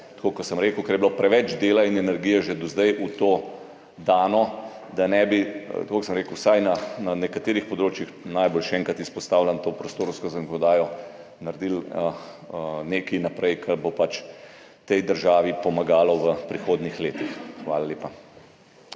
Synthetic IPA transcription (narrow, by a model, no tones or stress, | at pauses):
t̪koːkɔsəmɾeːkəʊkɛɾjɛbilopɾɛʋɛt͡ʃd̪eːlainɛnɛɾɡiːjɛʒed̪ɔzd̪ɛjʔut̪oː | d̪aːnɔ | d̪anɛbit̪koksəmɾeːkʊwsajnananɛkat̪eːɾixpɔd̪ɾoːt͡ʃjixnajbolʃɛɛːŋkat̪ispɔst̪aːwlʲant̪oːpɾɔst̪oːɾskɔzakɔnɔd̪aːjɔ | naɾd̪ilə | neːkinapɾɛjkʰɛɾbopat͡ʃ | t̪ɛjd̪əɾʒaːʋipɔmaɡaːlɔʋəpɾixoːd̪nixleːt̪ixxʋaːlalʲeːpa